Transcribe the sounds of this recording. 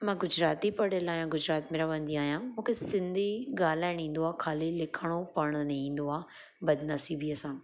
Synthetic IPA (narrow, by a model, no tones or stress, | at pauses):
mãːɡʊd͡ʑɾaːt̪ipɐɽəlaːɦjãɡʊd͡ʑɾaːt̪meːɾaʋə̃nd̪iaːɦijãmũːkʰesɪ̃nd̪ʱiɡaːlaːɪɽ̃ĩːn̆d̪oaːkʰaːlilɪkʰəɽ̃opɐɽ̃nɐĩːnd̪oaː | bɐd̪nɐsiːbiɐsãː